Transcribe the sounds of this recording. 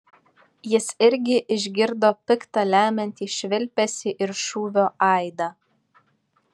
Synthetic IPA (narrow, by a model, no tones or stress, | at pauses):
jɪsɪɾʲɡʲɪʔɪʒʲɡʲɪɾd̪oːpʲɪkt̪ɑlʲæːmʲɛnʲt̪ʲiːʃʲʋʲɪlʲpʲɛsʲɪʔɪɾʃuːʋʲoːʔɐˑɪd̪ɑː